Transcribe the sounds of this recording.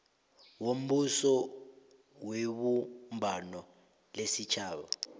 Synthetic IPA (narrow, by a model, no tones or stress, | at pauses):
wom̩ɓusɔ | weɓumbʱanɔ | lesit͡ʃʰaːɓa̰